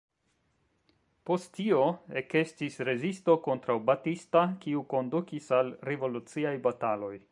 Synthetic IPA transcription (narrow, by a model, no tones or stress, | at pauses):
po̞stːio̞e̞ke̞stisɾe̞zisto̞ko̞ntɾawbatistakiuko̞ndukisalɾe̞vo̞lut͡siajbatalo̞j